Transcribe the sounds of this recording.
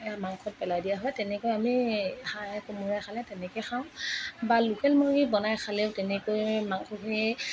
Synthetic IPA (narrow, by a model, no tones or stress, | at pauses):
ɛjamaŋxʰɔt̚pɛlajdijaɦɔjtɛnɛkojamihakumuɹajxʰalɛtɛnɛkɛjxaw̃balukɛlmoɹibɔnajxʰaleʊtɛnɛkojmaŋxʰɔɦi